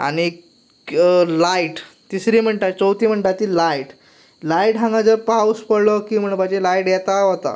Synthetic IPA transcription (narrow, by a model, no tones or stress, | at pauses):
a̰ɽ̃i | laiʈ | t̪isɾiːm̤əɳʈat͡sowt̪im̤əɳʈat̪iːlaiʈ | laiʈɦãŋɡad͡zəɾpawspəɽlɔkiːm̤əɽ̃pad͡ʑelaiʈjɛt̪aɦot̪a̰